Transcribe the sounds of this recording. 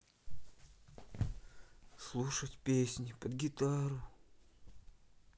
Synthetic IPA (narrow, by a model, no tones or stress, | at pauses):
slˠuʂətʲpʲesʲnʲɪpəd̪ɡʲɪt̪aɾʊ